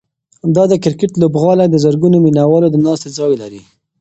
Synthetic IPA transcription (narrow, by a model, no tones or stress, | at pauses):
d̪ɑd̪əkɪɾkɪʈlobɣɑlad̪əzəɾɡunominawɑlod̪ənɑst̪ezɑjlaɾi